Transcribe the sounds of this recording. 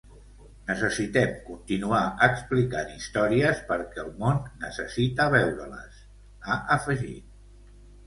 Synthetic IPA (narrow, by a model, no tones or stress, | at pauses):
nəsəsit̪ɛmkunt̪inuaʔəksplikanist̪ɔɾiəspəɾkɛəlˠmonːəsəsit̪əβɛwɾə̰lə̰s | aʔəfəʒḭt̪̚